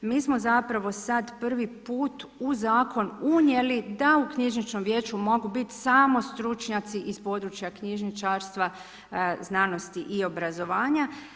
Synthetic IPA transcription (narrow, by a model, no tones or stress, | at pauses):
miːsmozapɾaʋo̞sad̪pr̩ʋipuːt̪uzaːkʰo̞nuɲe̞lid̪aukɲiʒnit͡ʃno̞mʋje̞ːt͡ʃumo̞ɡubit̪saːmo̞st̪ɾut͡ʃɲat̪siʔispo̞ːd̪ɾut͡ʃjakɲiʒnit͡ʃaɾst̪ʋa | znano̞st̪iʔio̞bɾazo̞ʋaːɲa